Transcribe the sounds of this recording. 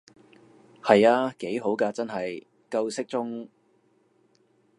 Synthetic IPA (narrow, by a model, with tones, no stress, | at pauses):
hɐ˨jaː˧ke˨˥jɦo˨˥wkɐː˧t͡sɐ˥nɦɐ˨j | kɐ˧wsɪ˥k̚t͡sʊ˥ŋ